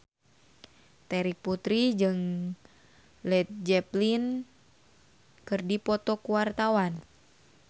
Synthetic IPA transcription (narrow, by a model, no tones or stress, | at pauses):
t̪ɛɾik̚put̪ɾid͡ʒɨŋ | lɛt̪̚d͡ʒɛplin | kɨrdipɔt̪ɔkuwart̪awan